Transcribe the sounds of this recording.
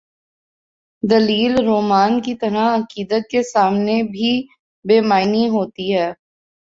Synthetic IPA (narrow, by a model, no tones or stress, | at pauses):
d̪ɐliːlɾoːmaːnkit̪ɐɾaɐkiːd̪ət̪̚kesaːmnebʱi | beːmaːɪniɦoːt̪iɦɛː